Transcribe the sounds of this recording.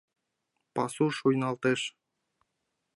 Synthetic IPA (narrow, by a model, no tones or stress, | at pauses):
pɑsuʃujnɑlˠt̪ɤʃ